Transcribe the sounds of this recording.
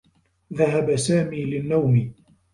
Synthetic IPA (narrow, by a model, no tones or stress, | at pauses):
ðaɦabasaːmiːlɪnːawmɪ